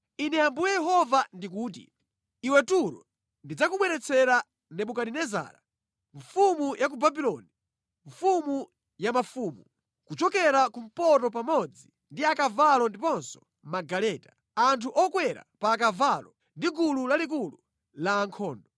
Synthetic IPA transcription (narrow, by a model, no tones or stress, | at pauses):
inɛambujɛjɛɦɔvandik̬uːt̬ḭ | iwɛtuɾɔ | ndid͡zakuɓwɛɾɛt͡sʰɛɾa | nɛɓukaɗinɛza̰ːɾa | ɱfumujak̬ubabilɔni | ɱfumu | jamafuːmu | kut͡ʃɔkɛɾakum̩pɔtɔp̬amɔd͡zi | ndiakavalɔndipɔnsɔ̥ | maɡalɛːta | antʰuʔɔkwɛɾa̰paːkavalɔ | ndiɡululalik̬ulu | laːŋkʰɔːndɔ